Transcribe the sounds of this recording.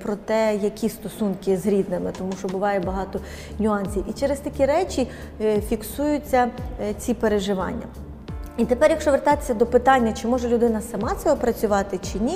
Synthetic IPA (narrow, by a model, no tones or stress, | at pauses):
pɾɔt̪ɛjɐkʲist̪ɔsunkɪzɾʲid̪nɪmɪt̪ɔmuʃɔbʊʋɑjɛbɐɦɑt̪ɔ | nʲʊɑnʲsʲiwit͡ʃɛɾest̪ɐkʲiɾɛt͡ʃʲi | fʲiksujʊt͡sʲːɐt͡sʲipeɾeʒɪʋɑ̰nʲːɐ̰ | it̪epɛrjɐkʃɔʋert̪ɑt̪e̥sʲːɐd̪ɔpɪt̪ɑnʲːɐt͡ʃɪmɔʒɛlʲʊd̪ɪnɐsɐmɑt̪sɛɦɔpɾɐt͡sʲʊʋɑt̪ɪt͡ʃɪnʲi